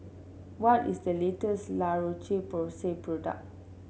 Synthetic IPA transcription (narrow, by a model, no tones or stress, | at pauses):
wɔtisdəletəslaɹot͡ʃepɔsepɹɔda̰k̚